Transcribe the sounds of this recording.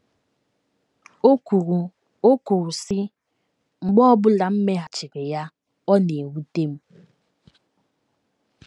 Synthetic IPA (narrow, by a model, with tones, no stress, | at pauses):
o˦ku˨u˨ | o˦ku˨ɾu˨sɪ˦ | ŋ͡m̩˨ɡ͡bɔ˦ɔ˦bʊ˦la˨m̩˦me˦ɦa˨t͡ʃɪ˨ɾɪ˨ja˦ | ɔ˦ne˨wu˦te˦m̩˦